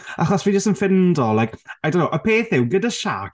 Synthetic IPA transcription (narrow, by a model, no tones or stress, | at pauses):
aχɔsvind͡ʒəstənfɪndɔlˠajkajdownowʔəpʰeːθɪwɡədaʃa̰k